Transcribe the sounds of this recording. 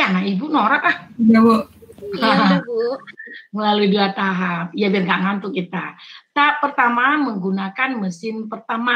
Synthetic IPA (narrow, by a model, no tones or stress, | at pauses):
anaʔkibunoɾat̪ahd͡ʒawoau | məlaluiduat̪aɦap̚jabɛrŋɡaʔŋant̪ʊkit̪at̪apərt̪amaməŋɡunakanməsɪmpərt̪ama